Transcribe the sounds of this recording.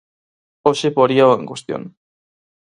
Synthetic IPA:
oʃepoɾiaoeŋɡust̪io̰n

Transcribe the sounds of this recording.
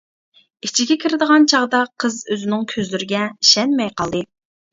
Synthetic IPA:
it͡ʃʰiɡʲɛkʲʰiɾɪd̪əʁɑnt͡ʃʰɑʁd̪ɑqʰəzøzɪnɪŋkʲʰøzlyɾɪɡʲɛʃɛnmɛjqʰɑlˠd̪ɨ

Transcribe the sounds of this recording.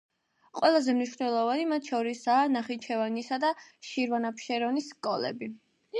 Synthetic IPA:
qʼwɛlˠazɛmniʃvnɛlˠɔvanimat̪ʰʃɔɾisaːnaχit͡ʃʰɛvanisad̪aʃiɾvanapʰʃɛɾɔnisːkʼɔlɛ̰bi

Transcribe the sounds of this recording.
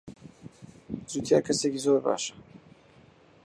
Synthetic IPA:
zut̪ʰja̰kʰɐsecizoːɾba̰ːʃɐ̥

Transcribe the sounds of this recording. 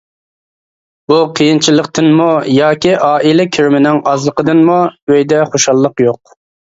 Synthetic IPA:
b̥uqʰəjint͡ʃʰilˠːəqt̪ɨnmujɑːkʲiʔɑːʔilɪkʲʰyɾmɪnɪŋɑzlˠəqəd̪ɨnmuøjd̪ɛχoʃɑlˠːəqjoq̚

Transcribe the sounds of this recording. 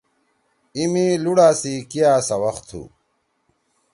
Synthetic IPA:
imiluɽaːsikijaːsɐwɐxt̪ʰṵ

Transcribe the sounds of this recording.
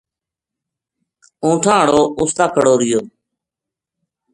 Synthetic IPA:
ũːʈʰãːəɽoːʊːst̪aːkʰəɽoːɾɪjoː

